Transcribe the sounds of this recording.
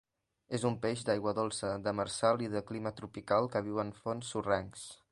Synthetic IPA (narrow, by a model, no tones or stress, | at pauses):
ezumpeʒd̪ajɣwəðolˠsəd̪əməɾsalˠiðəklimət̪ɾupikalˠkəβ̞iwənfonsːurɛŋs